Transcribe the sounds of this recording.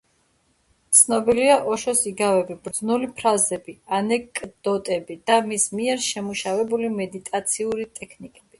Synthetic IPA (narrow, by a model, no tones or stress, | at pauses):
t̪sʰnɔbiliaʔɔʃɔsiɡavɛbibɾd̪znulipʰɾazɛbianɛkʼd̪̥ɔt̪ʼɛbid̪̥amismiɛɾʃɛmuʃavɛbulimɛd̪it̪ʼat̪sʰiuɾit̪ʼɛkʰnikʼɛb̥i